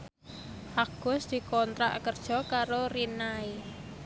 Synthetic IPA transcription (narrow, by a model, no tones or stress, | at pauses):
ʔaɡ̥ʊ̤sd̪̥i̤kɔnt̪ɾa̰ʔkərd̥ʒ̥ɔ̤kaɾorinai